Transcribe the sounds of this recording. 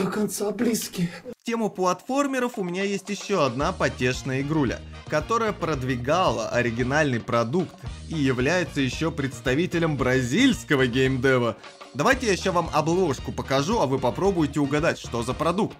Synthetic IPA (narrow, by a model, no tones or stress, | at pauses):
d̪əkɐnt̪sablʲiskʲɪxtʲe̞mʊplˠɐt̪fo̞rmʲɪɾəfʊmʲɪnʲajesʲtʲjɪɕːoɐd̪napɐtʲe̞ʂnəjəɪɡɾulʲə̰kɐt̪o̞ɾəjəpɾəd̪vʲɪɡalˠə̰ʔɐɾʲɪɡʲɪnalʲnɨjpɾɐd̪ukt̪ijɪvlʲæjɪt̪səjɪɕːo̞pɾʲɪt̪st̪ɐvʲitʲɪlʲəmbɾɐzʲilʲskəvəɡʲemd̪ɛvə | d̪ɐvajtʲɪjaɕːavamɐblˠo̞ʂkʊpəkɐʐuɐvɨpɐpɾo̞bʊjɪtʲɪʊɡɐd̪atʲʂt̪o̞zəpɾɐd̪uk̚t̪